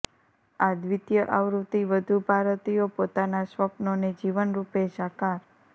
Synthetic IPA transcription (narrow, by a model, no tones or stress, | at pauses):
ad̪ʋit̪jəʔaʋɾut̪iʋəd̪ʱupaɾət̪ijopot̪anasʋəpnoned͡ʒiʋənɾupeʃakaɾ